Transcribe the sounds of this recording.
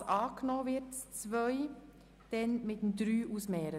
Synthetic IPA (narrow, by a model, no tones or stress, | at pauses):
ʔɑːknoːvɪtt͡svœʏ | d̥ɛnmɪtmdɾyːʔusmɛːɾə